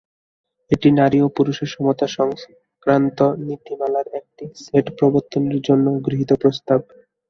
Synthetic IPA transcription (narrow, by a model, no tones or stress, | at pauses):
eʈinaɾiopuɾuʃeɾʃɔmot̪aʃɔŋs | kɾant̪onit̪imalaɾek̚ʈiseʈpɾoboɾt̪ːoneɾd͡ʑonːoɡɾiɦit̪opɾost̪ab̚